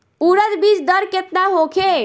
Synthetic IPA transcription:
uɾət̪bid͡ʒd̪əɾket̪naɦokʰe

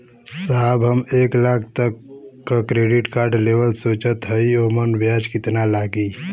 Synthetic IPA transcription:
saɦəbɦəmeːklak̚ʰt̪əkːəkɾeɖiʈkaːɾɖleʋəlsot͡ʃət̪ɦəiomənbjad͡ʒkɪt̪nalaɡi

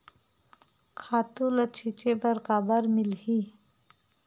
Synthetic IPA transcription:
kʰaːt̪ulət͡ʃʰit͡ʃebəɾkabəɾmilhi

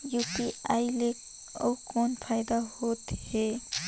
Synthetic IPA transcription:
jupiaːilek | ə̰ukoːnpʰaːjd̪aɦoːt̪he

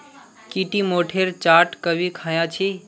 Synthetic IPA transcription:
kiʈimoʈʰeɾt͡ʃaʈkəbʱikʰajãt͡ʃʰi

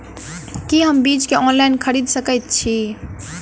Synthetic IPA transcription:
kiɦəmbid͡ʒkeɔnlajnkʰəɾid̪səkəjt̪̚t͡ʃʰi

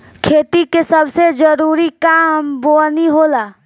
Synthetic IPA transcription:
kʰeːt̪ikesəbsed͡ʒəɾuːɾikaːmboːlniɦoːlaː

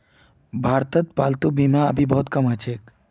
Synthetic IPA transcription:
bʱaːɾt̪ət̪̚paːlt̪ubimaəbʱibɔɦt̪kəmət͡ʃʰeːk

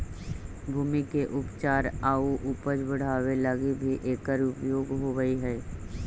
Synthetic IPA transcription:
bʱuːmikeʔʊpt͡ʃaːɾaːuʔʊpəd͡ʒbəɽ̤aːwelaːɡibʱiʔeːkəɾʊpjoːɡɦoʋəiɦɛː

